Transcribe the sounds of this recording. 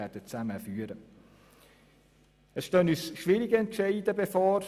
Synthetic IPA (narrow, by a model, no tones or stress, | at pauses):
ɛɾd̥ət͡sæməfyːəɾə | əsʃtøːnyːsʃʋɪɾɪɡəɛntʃɛɪdəbɛfɔːɾ